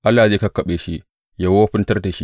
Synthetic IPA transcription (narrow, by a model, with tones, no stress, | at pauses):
ʔa˦lːaː˨zeː˦kɐ˦kːɐ˨ɓeː˨ʃi˦ | ja˨woː˦ɸɪ˦ntɐ˦rda˨ʃi˦